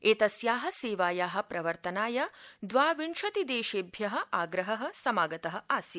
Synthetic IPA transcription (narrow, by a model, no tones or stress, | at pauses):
eːt̪ɐsjaːɦɐ̆seːʋaːjaːɦɐ̆pɾʔɐʋɐɾt̪ɐnaːjɐd̪ʋaːʋiɳʃɐt̪id̪eːʃeːbʱjɐɦɐ̆ʔaːɡɾɐɦɐɦɐ̆sɐmaːɡɐt̪ɐɦɐ̆aːsji